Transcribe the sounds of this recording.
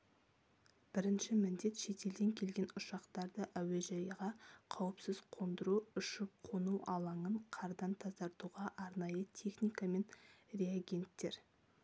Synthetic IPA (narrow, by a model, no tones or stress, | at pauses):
b̥ɪɾɪnʃɪmɪnd̪e̞t̪ʃe̞t̪e̞ld̪e̞ŋkʲʰe̞lɡʲe̞nʊʃɑqt̪ɑɾd̪əʔæwe̞ʒɑjəʁɑqʰɑwəpsɪzqʰo̞nd̪əɾuʏʃɪp̚qʰonuɑlˠɑɴəɴqʰɑɾd̪ɑnt̪ʰɑzd̪ɑɾt̪uʁɑʔɑɾnɑjət̪ʲʰe̞χnijkɑme̞nre̞aɡʲe̞nt̪ːe̞ɾ